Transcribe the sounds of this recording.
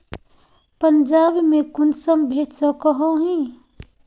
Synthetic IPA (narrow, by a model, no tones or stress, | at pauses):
pənd͡ʒabmẽkʊnsəmbʱeːʈsəkəɦõɦĩ